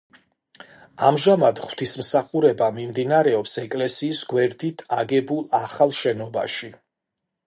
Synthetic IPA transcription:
amʒamad̪χw̥t̪ʰismsaχuɾɛbamimd̪inaɾɛɔpsɛkʼlɛsiːsɡwɛɾd̪it̪ʰaɡɛbulˠaχalˠʃɛnɔba̰ʃi

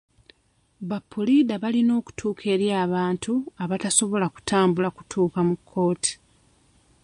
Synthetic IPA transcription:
bapːulidaβalino̞ːku̥tʰuːkʰe̞ɾjaːβaːntʰuaβataso̞βo̞laku̥tʰaːmbulaku̥tʰuːkamukʰːo̞ːtʰi̥

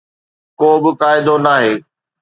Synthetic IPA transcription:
koːbɪkaːɪd̪onaːɦeː

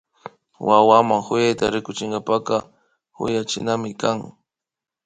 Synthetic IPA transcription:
wawamaŋxʊjajt̪a̰ɾɪkʊt͡ʃɪŋɡapakɑ | xʊ̰jat͡ʃɪ̰namɪkaŋ

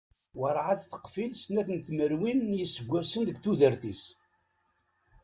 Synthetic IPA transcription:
wəɾˤʕaθθə̥qfilsnːæθənt̪məɾwinjəsːəvɡʷæsənðəɡθuðəɾθis

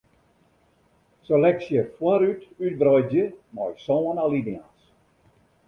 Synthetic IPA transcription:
səlɛksjəfwaɾytyt̚brɔjd͡ʒjəmɔjsɔənalinians

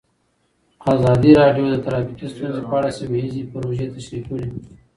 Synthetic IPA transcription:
aːzɑd̪iɾɑɖjod̪ət̪aɾɑbɪkist̪unzepɑːɽaseweizipəɾoʒet̪aʃɾikəɽi

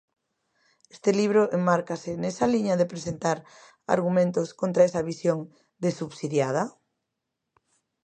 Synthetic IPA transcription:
e̥st̪ɪliβ̞ɾoʔemmaɾkasɪnɛsɐliɲɐðepɾesent̪aɾ | a̰ɾɣumẽnt̪oskont̪ɾaesɐβisjoŋ | d̪esuβsiðjað̞ɐ

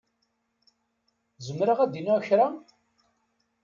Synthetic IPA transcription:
zəmɾəʁæd̪inæçɾa

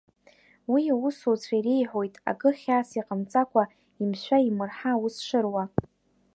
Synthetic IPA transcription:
wiawʊsut͡sʷʰaiɾejħʷo̞jtʼa̰kʼɨχʲaːsiqʼamt͡sʼakʷʰa | imʃʷᶣaimɨrħawusʂɨrwa

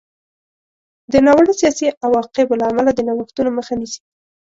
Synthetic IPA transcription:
d̪ənɑwəɽisijɑsiʔawɑqeblaːmalad̪ənawəxt̪unoməxanisi̥

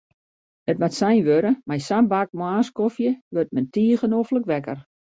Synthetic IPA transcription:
ətmatsɛjnʋøɾəmajsanbak̚moaːskofjəʋørt̚mɛntiːəɣənofləkʋɛkə̰r

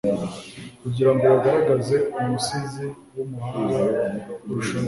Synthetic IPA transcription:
kuɟiɾaŋɡo̞waɡaɾaɡaze̞umusizi | wumuhaːŋɡauɾuʃo

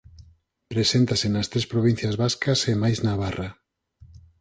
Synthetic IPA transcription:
pɾesent̪asenɐst̪ɾespɾoβ̞in̟θjazβaskɐsemajznaβara

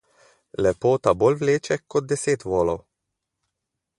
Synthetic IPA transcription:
lɛpoːt̪ɐbɔlvleːt͡ʃɛkːɔt̪̚d̪ɛseːt̪voːlɔw

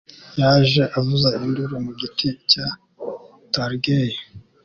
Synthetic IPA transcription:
jaːʒe̞ʔavuzainduɾumuɡitica | taɾɡeje

